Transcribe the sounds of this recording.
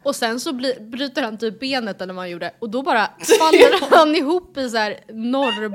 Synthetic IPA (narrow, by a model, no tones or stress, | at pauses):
ɔsɛnsɔblbɾyːt̪əɾhant̪ʰyːp̚beːnət̪ɛlːəɾvahanjuːɖəɔd̪ɔbɑːɾafalːaɾanɪɦuːpːɪs̬æːɾnɔr